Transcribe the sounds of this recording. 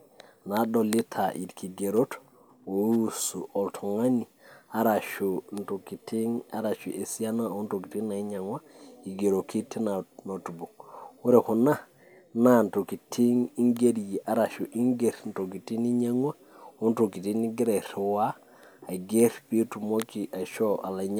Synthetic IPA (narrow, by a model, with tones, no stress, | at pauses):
na˨ɗo˨li˦tʰa˨ʔḭ˨dki˨ɡe˨ɾo˦t | o˨ju˦su˨ʔo˨ltʰo˨ŋa˦ni˨a˦ɾa˨ʃu˨nto˨ki˨ti˦ŋa˦ɾa˨ʃu˨ʔe˨si˦ja˦na˦o˦nto˨ki˨ti˦na˨i˦ɲa˨ŋwa˦i˨ɡe˨ɾo˨ki˦ti˦na˨no˨tu˨bu˨ŋu˦ɾe˦˨ku˨na˦ | na˦˨nto˨ki˨tʰi˦ŋi˦ŋɡe˦ɾji˨ʔa˦ɾa˨ʃu˨ʔi˦ŋɡe˨ɾn̩˨to˨ki˨ti˦ni˦ɲa˦ŋwa˦ | o˦n˦to˨ki˨ti˦ni˦ɡɪ˦ɾe˨ɾwa˦ | a˨ɡe˦ɾpi˦tu˨mo˦ki˨ʔa˨ʃo˦a̰˨la˨ɲ